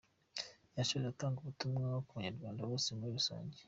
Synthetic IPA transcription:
jaʃoβataːŋɡuβutumŋakuβuɲeɾɡwaːndawoːsimuɾiβiso̰ːɲɟe̥

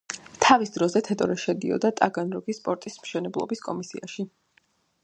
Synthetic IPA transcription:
t̪ʰavisd̪ɾɔzɛt̪ʰɛt̪ʼɔɾɛʃɛd̪iɔ̰d̪at̪ʼaɡanɾɔɡispʼɔɾt̪ʼismʃɛnɛblˠɔ̰biskʼɔmisiaʃi

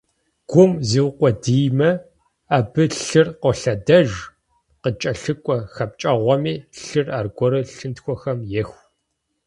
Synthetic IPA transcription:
ɡ̥ʷʊmziːwqʷɔdijmɐ | abɨɬɨrqʷɔɬɐdɐʒ | qət͡ʃʼɐɬɨkʷʼɔxɐp̚t͡ʃʼɐʁʷɔmiːɬɨraːrɡʷɔɾɨɬɨntxʷɔxɐmjɛxʷ

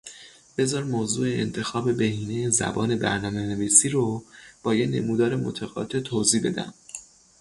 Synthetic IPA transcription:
b̥e̞zɒːɾmoːzuːeḛnt̪ʰe̞xɒːbe̞be̞hiːnejezæ̰bɒːne̞bæ̰ɾnɒːme̞ne̞viːsiːɾob̥ɒːjene̞̰muːd̪ɒːɾe̞mo̰t̪ʰæɣɒ̰ːt̪ʰe̞t̪ʰoziːbe̞̰d̪æ̰m

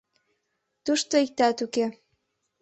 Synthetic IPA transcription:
t̪uʃt̪oik̚t̪ɑt̪uke

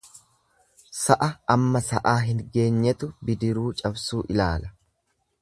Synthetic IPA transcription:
sɐʔɐɐmːɐsɐʔaːɦɪŋɡe̞ːɲːɛt̪ʊbɪd̪ɪɾuːt͡ʃʼɐbsuːʔɪlaːlɐ̥

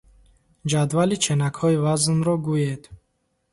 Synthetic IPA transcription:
d͡ʒad̪valit͡ʃʰenakhɔivaznɾɔɡujed̪

